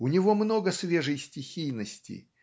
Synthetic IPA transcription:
ʊnʲɪvo̞mno̞ɡəsvʲeʐɨjsʲtʲɪxʲijnəsʲtʲɪ̰

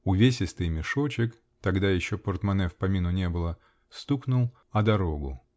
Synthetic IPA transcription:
ʊvʲes̬ʲɪst̪ɨjmʲɪʂo̞t͡ɕɪk | t̪ɐɡd̪ajɪɕːopərt̪mɐnɛfpɐmʲinʊnʲe̞bɨlˠə | st̪uknʊlˠ | ɐd̪ɐɾo̞ɡʊ̰

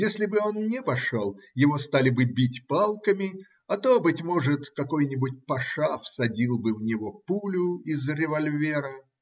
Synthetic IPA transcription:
jesʲlʲɪbɨo̞nnʲɪpɐʂolˠjɪvo̞st̪alʲɪbɨbʲitʲpalˠkəmʲɪ | ɐt̪o̞bɨtʲmo̞ʐɨt̪kɐko̞jnʲɪbʊtʲpɐʂafsɐdʲilˠbɨvnʲɪvopulʲʊɪzɾʲɪvɐlʲvʲeɾə

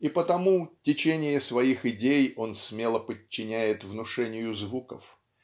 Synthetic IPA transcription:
ipət̪ɐmutʲɪt͡ɕenʲɪjəsvɐixɪdʲejo̞nsmʲe̞lˠəpət͡ɕːɪnʲæjɪt̪vnʊʂɛnʲɪjʊzvukə̰f

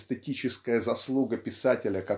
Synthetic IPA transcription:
st̪ətʲit͡ɕɪskəjəzɐslˠuɡəpʲɪsatʲɪlʲəkɐ

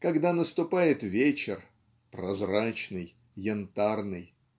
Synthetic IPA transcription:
kɐɡd̪anəst̪ʊpajɪt̪vʲet͡ɕɪr | pɾɐzrat͡ɕnɨj | jɪnt̪arnɨj

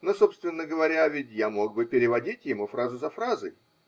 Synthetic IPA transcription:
no̞so̞pst̪vʲɪnːəɡəvɐɾʲavʲɪtʲjamo̞ɡ̚bɨpʲɪɾʲɪvɐdʲitʲjɪmufɾazʊzɐfɾazɨj

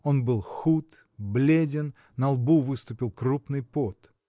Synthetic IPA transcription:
o̞nbɨlˠxut̪ | blʲedʲɪn | nəɐlˠbuvɨst̪ʊpʲɪlˠkrupnɨjpot̪

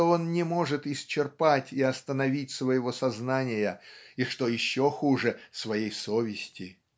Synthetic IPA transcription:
oo̞nnʲɪmo̞ʐɨt̪ɪsʲt͡ɕɪrpatʲɪɐst̪ənɐvʲitʲsvəjɪvo̞sɐznanʲɪjəiʂt̪o̞jɪɕːoxuʐɨsvɐjejso̞vʲɪsʲtʲɪ

